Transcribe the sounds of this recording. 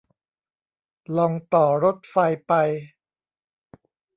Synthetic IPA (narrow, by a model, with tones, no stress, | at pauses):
lɔ˧ŋt̪ɔː˨˩ɾo˦˥t̪̚fa˧jpa˧j